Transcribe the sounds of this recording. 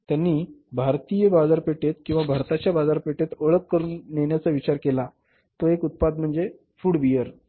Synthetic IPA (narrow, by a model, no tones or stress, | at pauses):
t̪janːiːbʱaɾt̪ijəbad͡zaɾpeʈet̪kĩw̃ʋabʱaɾt̪at͡ɕjabad͡zaɾpeʈet̪əɭəkːəɾuːnːeɳjat͡saʋit͡ɕaɾkela | t̪oekut̪̚pad̪̚m̤əɳd͡ze | fuːɽʋijəɾ